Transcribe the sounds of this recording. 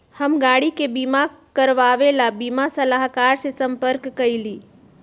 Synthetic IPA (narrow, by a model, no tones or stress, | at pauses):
həmɡaːɽikebimakəɾʋaʋelabimasəlaɦkaːɾsesəmpəɾkːəiliː